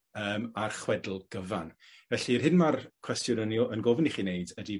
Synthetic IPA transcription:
əːmarχwɛdl̩ˠɡ̥əvan | vɛɬirɦɪnmarkʰwɛstjʊnənjɔʔənɡɔvniχiːneɨdədi

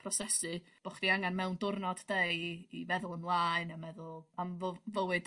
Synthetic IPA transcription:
pʰrɔsɛsɨb̥ɔχd̥iaŋanmɛwndʊrnɔd̥dejivɛðʊlˠəmlˠaɨnamɛðʊlˠamvovəwɨd̥

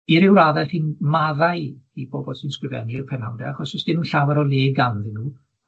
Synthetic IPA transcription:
iɾɪwɾaːðɛlhiːnmaðaɨib̥oːbɔlˠsɪnskrɪvɛ̰niɪrpʰɛnawdɛaχɔsɪsd̥ɪmənɬawɛɾɔlˠeːɡanðɪnuː

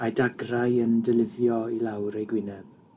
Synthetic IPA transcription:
ajdaɡrajəndɛlɪvjɔilawɾejɡwɪnɛb̥̚

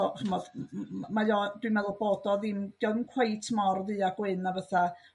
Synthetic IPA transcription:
ɔχəmɔd̥majɔd̥wimɛðʊboːdɔðimd̥jɔðənkʰwejtʰmɔrðɨaɡwɪnavəθa

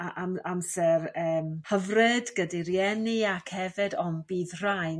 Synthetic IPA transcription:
aʔamamsɛrəːmhəvrɪdɡədirjɛniakʰhɛvɪdɔmbiːðr̥ajn

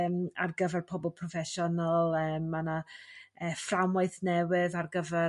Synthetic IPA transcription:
ma̰rɡəvɛrpʰɔbɔlˠpʰrɔfɛʃɔnəlˠəːmːanaəːframwajθnɛwɪðarɡəvɛ

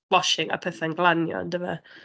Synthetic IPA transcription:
wɔʃɪŋə̰pʰɛθɛnɡlanjɔ̰ə̰ndɛvə̰

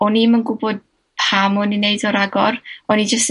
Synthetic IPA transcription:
ɔnimənɡʊbɔd̚ | pʰamʊnineɨdɔɾaɡɔrɔnid͡ʒəst

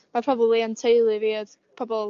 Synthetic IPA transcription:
mapʰr̥ɔbəblˠiantʰejlˠɨviːð | pʰɔbɔ

